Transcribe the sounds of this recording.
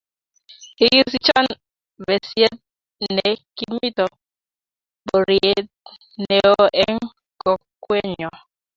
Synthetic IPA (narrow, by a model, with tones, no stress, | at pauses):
hi˦ɡi˦si˦t͡ʃa˦n | vɛ˨sjɛ˦t̚ | nɛ˨ki˦mi˦tɔ˨ | bo˨ɾje˨ | nɛ˨ɔ˦ʔɛ˦ŋ | kɔ˨ | kwe˦ɲɔ˨